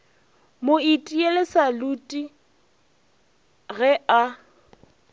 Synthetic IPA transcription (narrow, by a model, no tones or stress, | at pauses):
moitʼielɪsalutʼi | ɣɛa